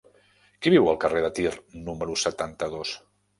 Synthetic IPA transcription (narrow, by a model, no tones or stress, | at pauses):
kiβ̞iwəlˠkəreðət̪irnuməɾusət̪ant̪əðos